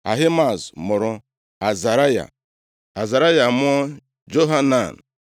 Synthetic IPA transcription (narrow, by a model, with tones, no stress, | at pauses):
a̰˨ɦɪ˦ma˨zmʊ˨ɾʊ˦ | a˨za˨ɾa˦ja̰˨ | a˨za˨ɾa˦ja˨m˦ɔ˦ | d͡ʒo˦ɦa˦na˨n̩˨